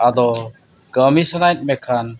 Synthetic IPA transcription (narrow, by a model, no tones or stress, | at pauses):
ad̪ɔ | ɡəmisanajt̪̚mɛkʰan